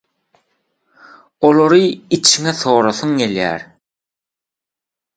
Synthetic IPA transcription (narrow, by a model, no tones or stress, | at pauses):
olˠoɾɯit͡ʃʰiŋeθo̞ːɾɑθuŋɡeljæ̰ːɾ